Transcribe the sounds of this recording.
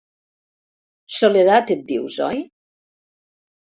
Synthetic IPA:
soleðat̪et̪̚d̪iwzɔ̰j

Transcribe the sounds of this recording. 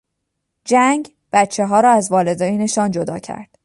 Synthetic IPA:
d͡ʒæŋɟ | b̥æt̪t͡ʃʰːe̞ɦɒːɾɒːæzvɒːle̞d̪ɒːjineʃɒːnd͡ʒod̪ɒ̰ːcʰæ̰ɾd̪̥

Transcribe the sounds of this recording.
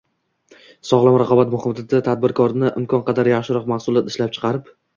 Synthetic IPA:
sɒʁlˠamɾaqʰɒbat̪mʊhɨmd̪ɪd̪at̪ʰad̪̚bɪɾkʰɒɾnɪʔɪmkʰɒnqʰɑd̪aɾjaχʃɪɾɒqmahsʊlˠat̪ɪʃlap̚t͡ʃʰɨ̥qɑɾɪp

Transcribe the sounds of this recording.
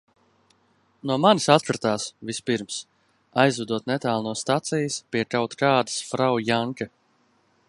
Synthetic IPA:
nuɔmanisat̪kɾɨt̪aːsvispiɾms | ajzud̪uɔt̪nɛt̪aːlˠnuɔst̪at̪sijəspʲiɛkawt̪kaːd̪ə̥sfɾawjaŋka

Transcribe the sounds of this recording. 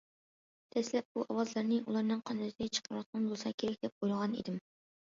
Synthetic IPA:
t̪ʰɛslɛp̚buʔɑwɑzlˠɑɾnɨʔulˠɑɾnɨŋqʰɑnd̪ɨt̪ʰd̪ʲɛt͡ʃʰə̥qʰɾɾɑt̪̚ːɑnbolˠsɑkʲʰeɾɛk̚ʲd̪ɛp̚ojlˠəʁɑnḭd̪ɪm

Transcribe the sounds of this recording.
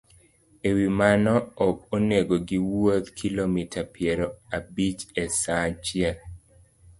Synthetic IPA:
ewimanɔːkoneɡoɡiwot̪kʰilomitʰapjɛɾoabit͡ʃesat͡ʃɪɛl

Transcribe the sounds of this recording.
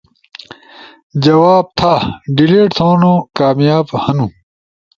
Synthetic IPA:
d͡ʑɐwaːb̚t̪ʰaɖileːʈt̪ʰoːnokaːmjaːbhɐnũ

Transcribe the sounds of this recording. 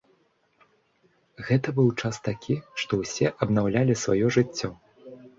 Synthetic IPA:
ɣɛt̪ɐbɨwt͡ʂast̪akʲʰiʂt̪ɔwsʲɛʔɐbnawlʲalʲisva̰jɔʐɨt͡sʲːɔ

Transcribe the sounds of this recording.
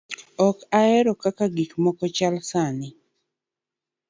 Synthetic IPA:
ɔkaɛɾɔkakaɡikmɔkɔt͡ʃalsanɪ

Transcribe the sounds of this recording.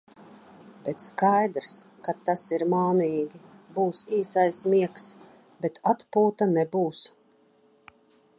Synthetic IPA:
b̥ɛt̪skajd̪ɾskat̪ːasiɾmaːniːɡʲibuːsiːsajsmiɛks | bet̪at̪puːt̪anebuːs

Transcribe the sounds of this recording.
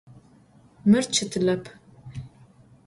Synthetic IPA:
mɨrt͡ʃʰɨtʰɨlɐpʰ

